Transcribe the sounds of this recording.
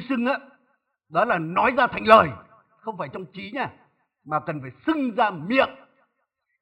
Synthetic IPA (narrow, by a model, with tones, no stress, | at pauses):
sɨ˧ŋʔaː˨˧˦ | ɗɔ˨˦laː˨˩nɔ˨˦jzaː˧t̪ʰa˨jŋləː˨˩j | xə˧wŋ͡mfaː˧˩jt͡ɕɔ˧wŋ͡mt͡ɕi˨˦ɲaː˧ | maː˨˩kə˨˩nfaː˧˩jsɨ˧ŋzaː˧mi˧˨ək̚